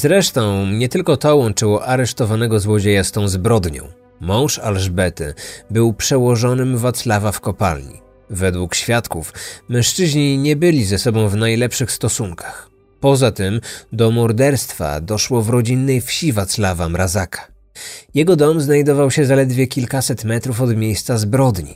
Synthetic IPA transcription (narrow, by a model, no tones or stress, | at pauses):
zɾɛʂt̪ɔ̃w̃ɲɛt̪ɘlkɔt̪ɔwɔnt͡ʂɘwɔʔaɾɛʂt̪ɔvanɛɡɔzwɔd͡ʑejast̪ɔ̃w̃zbɾɔd̪ɲɔ̰̃w̃ | mɔ̃w̃ʂalʐbɛt̪ɘ̰bɘwpʂɛwɔʐɔnɘmvat̪slavafkɔpa̰lɲḭ | vɛd̪wukɕfʲjat̪kufmɛ̃w̃ʂt͡ʂɘʑɲiɲɛbɘlʲizɛsɔbɔ̃w̃vnajlɛpʂɘxst̪ɔsuŋkʰḁx | pɔzat̪ɘmd̪ɔmɔɾd̪ɛɾst̪fa̰d̪ɔʂwɔvɾɔd͡ʑinːɛjfɕivat̪slavamɾazakʰḁ | jɛɡɔd̪ɔmznajd̪ɔvawɕɛzalɛd̪vʲjɛkʲilkasɛt̪mɛt̪ɾufɔd̪mʲjejst̪sazbɾɔd̪ɲḭ